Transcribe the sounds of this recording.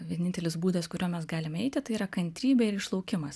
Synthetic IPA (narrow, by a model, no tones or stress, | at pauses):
ʋʲiɛnʲɪnʲt̪ʲɛlʲɪsbuːd̪ɐskʊɾʲoːmʲɛsɡɑːlʲɪmɛɪt̪ʲɪt̪ɐɪiːɾɐkɐnʲt̪ʲɾʲiːbʲɛɪɾɪʃlˠɐʊkʲɪmɐs